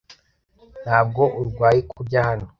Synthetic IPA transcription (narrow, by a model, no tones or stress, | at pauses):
nhaːb̚ɡo̞ʔuɾɡwaːjikʰuɾɟahano